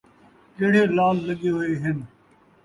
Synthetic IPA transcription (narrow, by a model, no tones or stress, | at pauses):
keːɽ̤eːlaːlləɠeːɦoeːɦɪn